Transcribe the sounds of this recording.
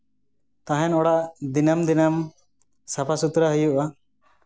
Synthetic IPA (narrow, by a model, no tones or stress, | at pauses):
t̪ãɦɛnɔɽaʔd̪inamd̪inam | sapʰasut̪ɾaɦəjuʔa